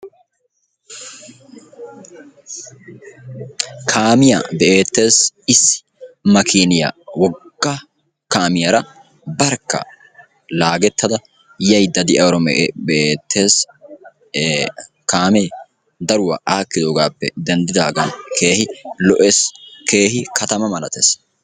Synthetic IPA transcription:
kʰaːmɪjɐ̰bɛʔeːt̪ːe̞ːsɪsɪ̥ | mɐkʰiːnɪjɐ̰wɔɡ̥ːa | kaːmɪjɐɾɐ | bɐɾkːɐ̰ | laːɡɛt̪ːɐd̪ɐ | jɐjd̪ɐd̪ɪʔɐwɾɔmɛʔbɛʔeːt̪ʰːe̞ːs | kaːmeː | d̪ɐɾʊwɐ̰ʔaːkːɪd̪oːɡaːpːɛ̰d̪ɛnd̪ɪd̪aːɡɐnkʰe̞ːhɪlɔʔeske̞ːɦɪkʰɐt̪ɐmɐmɐlɐt̪es

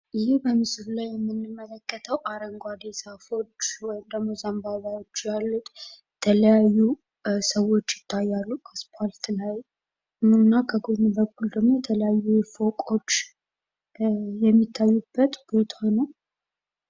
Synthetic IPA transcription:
ʔɨjihbəmɨsɨβlajɛmːɨnːɨmːələkːət̪ʰəwʔaɾəŋɡʷad̪esafo̞t͡ʃːwɔjɪmd̪əɡmo̞zəmbaβawo̞t͡ʃːjalːut̪jɛt̪ʰələjajːu | səwo̞t͡ʃːjɪt̪ʰːajːalːukʰəspʰalt̪laj | ɨmɨnːakʰəɡonibəkːuld̪əɡmo̞jɛt̪ʰələjajːufo̞kʼo̞t͡ʃː | jɛmːit̪ʰːajːubːət̪b̥o̞t̪ʰahonəw

